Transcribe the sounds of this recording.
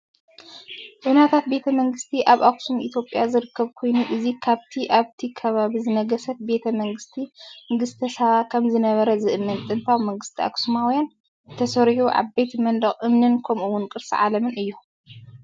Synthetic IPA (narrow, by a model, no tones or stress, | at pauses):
ʔʼɨnat̪ʰat̪̚be̞t̪ʰɐmɐŋɡɨst̪ʰiʔaβʔaksumʔit̪ʰjo̞pʼjazɨɾɨkʰːɐβkʰo̞jnuʔɨzikʰaβt̪ʰiʔaβt̪ʰikʰɐβaβizɨnɐɡɐsɐt̪̚be̞t̪ʰɐmɐŋɡɨst̪ʰiŋɡɨst̪ʰɐsaβakʰɐmzɨnɐβɐɾɐzɨʔɨmːɨnt̪ʼɨnt̪ʰawmɐŋɡɨst̪ʰiʔa̰ksumawujan | t̪ʰɐsɐɾħuʕa̰βbet̪ʰmɐnd̪ɐχʼʔɨmnɨnkʰɐmʔuwːʊnkʼɨɾsɨʕa̰lɐmɨnɨjːu